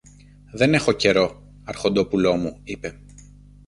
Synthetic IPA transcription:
ðe̞ne̞xo̞ce̞ɾo̞ | ɐɾxo̞nd̪o̞pulo̞muipe̞

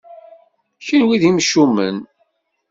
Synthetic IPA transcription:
çənwiðimʃumə̰n

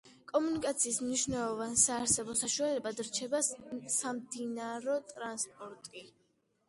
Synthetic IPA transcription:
kʼɔmunikʼat̪sʰiːsmniʃvnɛlˠɔvansaːɾsɛbɔsaʃualɛbad̪ɾt͡ʃʰɛbasamd̪inaɾɔt̪ʼɾanspʼɔɾt̪ʼi

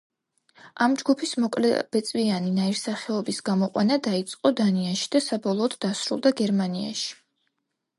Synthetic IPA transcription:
amd͡ʒɡupʰismɔkʼlɛ̰b̥ɛt̪sʼvianinaiɾsaχɛɔbisɡamɔqʼwa̰nad̪ait̪sʼqʼɔd̪aniaʃi̥d̪asabɔlˠɔːd̪d̪asɾṵlˠd̪aɡɛɾmania̰ʃi̥

